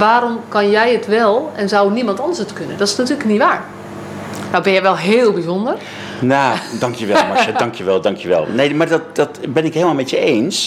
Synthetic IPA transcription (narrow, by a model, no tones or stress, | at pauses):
ʋaːɾomkɔnjɛjətʋɛlˠɛnzawnimɑntɔndəsətkønəndɔtɪ̥snatyːləkniʋaːɹ | nabɪnjɛʋɛlˠɦeːlˠbizondər | naːdɑŋkjəʋɛmɔʃədɑŋkjəʋɛlˠdɑŋkjəʋɛ̰lˠneːmardɔt̚d̥ɔtbɪnɪkɦheːlˠmalˠmɛtjəeːns